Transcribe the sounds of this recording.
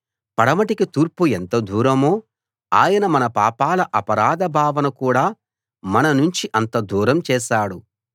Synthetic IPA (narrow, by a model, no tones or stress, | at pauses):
pɐɽɐmɐʈikit̪uːɾpuent̪ɐd̪ʱuːɾɐmoː | a̰ːjɐnɐmɐnɐpa̰ːpaːlɐʔɐpɐɾaːd̪ɐbʱaːʋɐnɐkuːɽaː | mɐnɐnuɲt͡ʃiʔɐnt̪ɐd̪ʱuːɾɐmt͡ʃɛːʃaːɽu